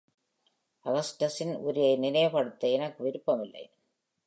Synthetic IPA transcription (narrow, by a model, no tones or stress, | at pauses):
ʔɐɣɐsʈɐsɪnʔʊɾɪjɐɪnɪnɐjɐpɐɽɯt̪ːɐɛnɐkːɯʋɪɾɯpːɐmɪlːɐ̰ɪ